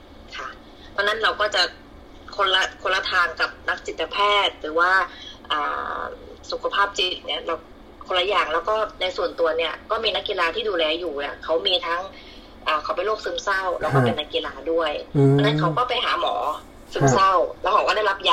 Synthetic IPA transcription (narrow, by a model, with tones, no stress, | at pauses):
kʰa˥˩ | t̪ʰɔ˧nːa˦˥nɾa˧wkɔː˥˩t͡ɕa˨˩ | kʰo˧nla˧˩kʰo˧nla˧˥t̪ʰaː˧nka˨˩p̚na˦˥k̚t͡ɕi˨˩t̪̚ːa˧pʰɛː˥˩t̪̚ɾɯː˩˦waː˥˩ʔaː˨˩ | su˨˩kʰa˧pʰaː˥˩p̚t͡ɕi˨˩k̚ni˥˩˨ɾa˧w | kʰo˧la˧˥jaː˨˩ŋlɛː˦˥wkɔː˥˩na˧jsu˨˩ənt̪u˧ɐni˥˩ɐkɔː˥˩miː˧na˦˥kːi˧laː˧t̪ʰiː˥˩duː˧lɛː˧juː˨˩ni˧˩ɐkʰa˦˥wmiː˧t̪ʰaː˦˥ŋ | ʔaː˨˩kʰa˨˦wpa˧jloː˥˩k̚sɯː˦˧˥msa˥˩wlɛː˦˥wɔː˥˩pe˨˧nːa˦˥kːi˧laː˧du˥˩əjt̪ɔː˧na˦˥nkʰa˦˥wkɔː˥˩pa˧˩jɦa̰ː˩˦mɔ̰ː˩˦ | sɯː˦˥msa˥˩wlɛː˧˦˥wʰaː˨˩waː˥˩da˥˩la˦˥p̚ja˧˥